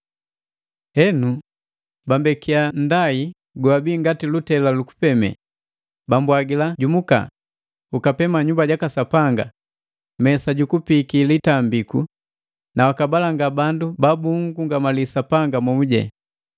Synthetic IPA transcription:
ɛnu | bambɛkiandai | ɡwabiːŋɡatilutɛlaluku̥pɛmɛ̰ | bambwaɡilaɟumuka̰ | ukapɛmaɲumbaɟakasapaŋɡa̰ | mɛsaɟukupikilitambiku | nawakabalaŋɡabandubabuŋɡuŋɡamalisapaŋɡamumuɟɛ̰

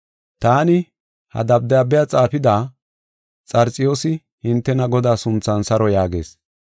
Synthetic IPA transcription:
t̪aːnɪ | hɐ̰d̪ɐb̚d̪ɐjabːɛjat͡sʼaːfɪd̪aː | t͡sʼɐɾt͡sʼɪjo̞ːsɪ | hɪnt̪ːɛnɐɡɔd̪aːsʊnt͡sːɐnsɐɾɔjaːɡe̞̰ːs

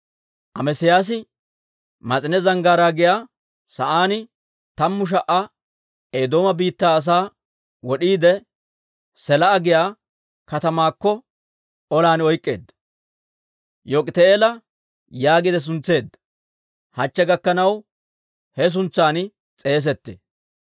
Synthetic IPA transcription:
ʔɐmɛsɪjaːs̬ɪ | mɐt͡sʼɪnɛzɐŋɡaːɾaːɡɪjaː | sɐʔaːnɪ | t̪ɐmːʊʃ̬ɐʔɐ | eːd̪o̞ːmɐbiːt̪ːaːs̬aː | wɔɗiːd̪ɛ | sɛlɐːɡɪjaː | kɐt̪ɐmaːkːɔ | ɔlaːnɔjkʼːe̞̰ːd̪ɐ | jokʼɪt̪eeːlɐ | jaːɡɪd̪ɛs̬ʊnt͡sːe̞ːd̪ːɐ̥ | hɐt͡ʃːɛɡɐkːɐnɐw | hɛs̬ʊnt͡sːaːn | t͡sʼe̞ːs̬ɛt̪ːḛː

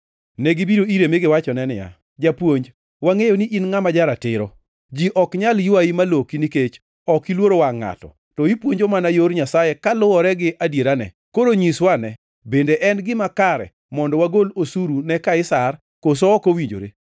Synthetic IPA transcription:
nɛɡibiɾoiɾemɪɡɪwat͡ʃɔnɛnɪ̰ja̰ | d͡ʒapwoɲd͡ʒ | waŋejoniʔinŋamad͡ʒaɾatɪɾɔ | d͡ʒiʔɔkɲaljʊaimalokiniket͡ʃ | ɔkilwoɾowaŋːa̰tɔ̰ | tɔipwoɲd͡ʒomanajoɾɲasajekalʊwɔɾɛɡɪʔadjeɾanɛ̰ | koɾoɲiswanɛ | bendeʔɛnɡɪmakaɾɛ̰ | mɔndɔwaɡolosuɾunɛkaɪsar | kos̬ɔːkowiɲd͡ʒo̰ɾḛ

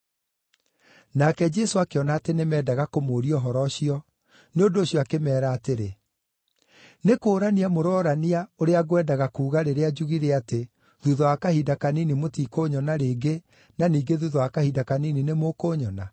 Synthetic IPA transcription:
nakɛd͡ʒɛsoakeɔnaːtenemɛːdaɣakomoːɾiɔɦɔɾɔʃiɔ | neondoːɕjɔakemɛːɾaːteɾe | nekoːɾaniamoɾɔɾaniaoɾeaɣowɛːdaɣakuːɣaɾeɾead͡ʒuɣiɾeate | ðuðɔwakahidakaninimotikoːɲɔnaɾeːɡe | naniːɡeðuðɔwakahidakanininemokoːɲɔna

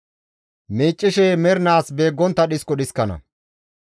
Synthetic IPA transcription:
meːt͡ʃʼːɪʃɛmɛɾɪnaːsbe̞ːɡːɔnt̪ːɐɗɪskɔɗɪskːɐnɐ̰

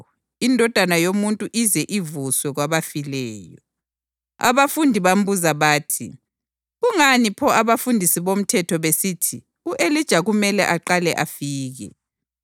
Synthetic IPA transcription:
indʱɔd̥ʱanajomuntʼuʔizɛʔivuswɛɣwaβafilɛːjɔ | a̰βafundʱiβam̩buzaβaːtʰi | ɣuŋanipʰɔaβafundʱisiβom̩tʰɛtʰɔβesitʰi | uʔelid̥ʒ̥ʱaɣumɛlɛʔaǃalɛʔafiːɣɛ̰

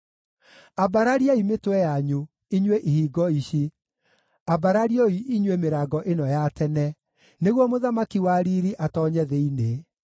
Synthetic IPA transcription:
abaɾaɾiaimetwɛjaɲu | iɲweʔihiːɡɔiɕi | abaɾaɾiɔiʔiɲwemeɾaːɡɔʔenɔjatɛnɛ | neɣwɔmoðamakiwaɾiɾiʔatɔɲɛðeine

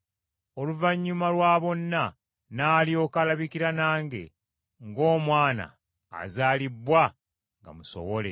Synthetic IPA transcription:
oluvaɲːumalwaːβo̞nːa | naːlio̞kalaβikiɾanaːŋɡe̞̰ | ŋɡo̞ːmwaːna̰ː | zaːlibːwa | ŋɡa̰muso̞̰βo̞lḛ

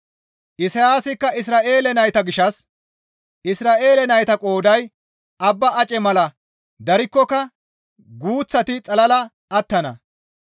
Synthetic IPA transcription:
ʔɪsɐjaːsɪkːɐɪs̬ɾaːʔe̞ːlɛnɐjt̪ɐɡɪʃːɐs | ʔɪsɾaːʔe̞ːlɛnɐjt̪ɐkʼo̞ːd̪ɐj | ʔɐbːɐɐt͡ʃʼɛmɐlɐ | d̪ɐɾɪkːɔkːɐ | ɡuːt͡sːɐt̪ɪt͡sʼɐlɐlɐ | ɐt̪ːɐnɐ̰

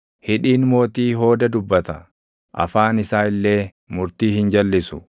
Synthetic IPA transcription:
hɪᶑiːnmo̞ːt̪iːɦo̞ːd̪ɐd̪ʊbːɐt̪ɐ | ʔɐ̰faːnɪsaːɪlːe̞ː | mʊɾt̪iːhɪnd͡ʒɐlːɪsʊ̥

